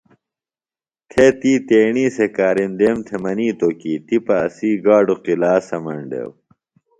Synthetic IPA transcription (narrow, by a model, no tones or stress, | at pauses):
t̪ʰet̪iːt̪eːɳiːsekaːɾind̪eːmt̪ʰemɐniːt̪oːkiːt̪ipɐːsiːɡaːɖuqilaːsɐmɐɳɖḛw